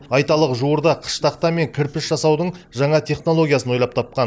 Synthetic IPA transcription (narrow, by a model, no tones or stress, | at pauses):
ɑjt̪ɑlˠəqʒuwəɾd̪ɑqʰə̥ʃt̪ɑqt̪ɑme̞ŋkʲʰɪɾpɪsʒ̥ɑsɑwd̪əɴʒɑɴɑt̪ʰe̞χno̞lˠo̞ɡʲijasənwo̞jlˠɑp̚t̪ʰɑp̚qɑn